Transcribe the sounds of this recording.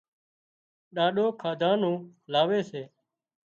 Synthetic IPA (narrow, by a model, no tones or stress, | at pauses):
ɗaːɗoːkʰaːd̪ʱãːnũːlaːʋeːseː